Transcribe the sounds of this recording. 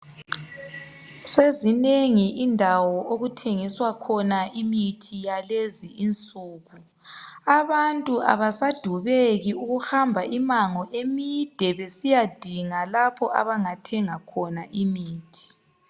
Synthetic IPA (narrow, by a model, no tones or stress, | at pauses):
sezineŋiʔindʱawɔʔoɣutʰeŋiswakʰɔnaʔimitʰijaleziʔint͡sʼuːɣu | aβantʼuʔa̰βasad̥ʱuβeɣiuɣuhambʱaʔimaŋɔʔemid̥ʱɛβesijad̥ʱiŋalapʰɔʔa̰βaŋatʰɛŋakʰɔnaʔimiːtʰi̥